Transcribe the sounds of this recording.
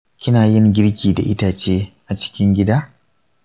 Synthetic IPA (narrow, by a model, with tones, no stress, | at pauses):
kʲɪ˦naː˨jɪ˦ŋɡʲɪ˦ɽkʲiː˨da̰˨ʔɪ˦taː˨t͡ʃeː˦ʔa˨t͡ʃɪ̥˦kʲɪ˦ŋɡʲɪ˦daː˦